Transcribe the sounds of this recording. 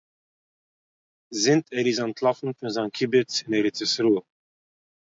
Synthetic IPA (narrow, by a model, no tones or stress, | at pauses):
zɪntʰɛɾizantʰlˠafn̩fɪnzankʰibɛt͡sɪnɛɾɪt͡sɪsɾu